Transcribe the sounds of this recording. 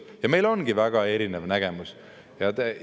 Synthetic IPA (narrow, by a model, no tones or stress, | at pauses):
jɑme̞jlo̞nɡ̥ivæɡ̥ɑe̞ɾinevnæɡ̥e̞mus | jɑt̪e